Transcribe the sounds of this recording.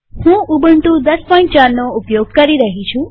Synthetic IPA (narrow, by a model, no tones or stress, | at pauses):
hũubəɳʈũd̪əspɔĩɳʈt͡ʃaɾnoʊpjoɡ̚kəɾiɾəɦit͡ʃʰũ